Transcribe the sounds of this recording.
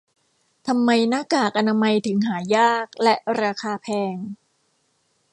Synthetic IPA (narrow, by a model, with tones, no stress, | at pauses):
t̪ʰa˧mːa˧jnaː˥˩kaː˨˩k̚ʔa˧naː˧ma˧jt̪ʰɯ˩˦ŋɦaː˩˦jaː˥˩k̚lɛ˦˥ʔɾaː˧kʰaː˧pʰɛː˧ŋ